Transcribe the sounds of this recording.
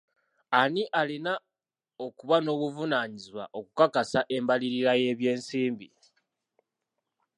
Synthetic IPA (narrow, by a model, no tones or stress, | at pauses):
aniʔalina | o̞kuβano̞ːβuvunaːɲizwa̰ʔo̞kukakasaʔe̞mbaliɾiɾaje̞ːβje̞ːnsiːmbi